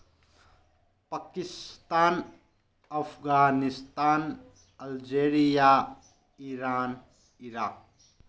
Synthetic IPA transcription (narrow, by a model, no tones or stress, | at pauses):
pakist̪an | ɐpʰɡanist̪an | ɐld͡ʒeɾija | iɾan | iɾak̚